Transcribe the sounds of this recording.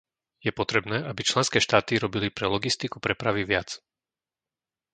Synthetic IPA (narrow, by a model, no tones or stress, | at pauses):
jɛpɔt̪ɾɛbnɛːʔabit͡ʃlɛnskɛːʃt̪aːt̪iɾɔbilipɾɛlɔɡist̪ikupɾɛpɾaʋiʋɪat͡s